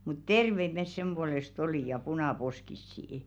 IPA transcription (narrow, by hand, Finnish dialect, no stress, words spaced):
mut terʋeit mes sem b̥uolest oliˑ jɑ punɑˑposkisːiĭ